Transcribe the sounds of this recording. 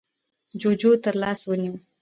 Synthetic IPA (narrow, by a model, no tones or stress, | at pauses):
d͡ʒoːd͡ʒoːt̪əɾlaːswənu